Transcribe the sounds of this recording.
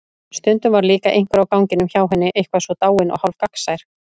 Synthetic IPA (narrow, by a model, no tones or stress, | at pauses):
st̪ʏnt̪ʏmvaɾliːkaʔejŋ̥kvʏɾawkawŋcɪnʏmçaːwɦɛnːɪʔejhkvaðsvɔt̪aːwɪnʔɔ̰ɣhawlkaksajɾ̥